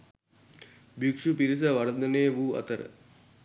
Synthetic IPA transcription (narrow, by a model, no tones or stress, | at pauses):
bjukʂupiɾis̬ɐʋɐɾəd̪ɐneːʋuːɐ̰t̪əɾə̰